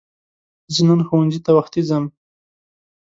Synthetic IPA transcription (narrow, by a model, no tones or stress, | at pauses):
zənanxowand͡ʒit̪awaxt̪izam